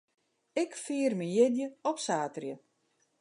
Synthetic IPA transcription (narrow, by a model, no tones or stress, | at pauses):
ɪkfiːərmijɪdjəɔpsaːtrjə